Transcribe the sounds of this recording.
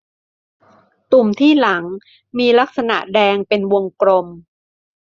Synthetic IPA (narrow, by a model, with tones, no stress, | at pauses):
t̪u˨˩mt̪ʰiː˥˩la˩˦ŋ | miː˧la˦˥k̚sa˧na̰˨˩ʔdɛː˧ŋpe˧nwo˧ŋkɾo˧m